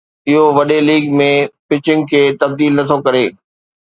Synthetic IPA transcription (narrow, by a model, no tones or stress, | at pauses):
ɪɦoʋɐɗeliːɡmẽpɪt͡ɕɪ̃ŋɡ̚kʰeːt̪ɐb̚d̪iːlnɐt̪ʰokɐɾeː